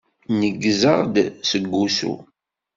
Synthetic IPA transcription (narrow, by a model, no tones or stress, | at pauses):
nəɡːzəʁd̪səɡːusṵ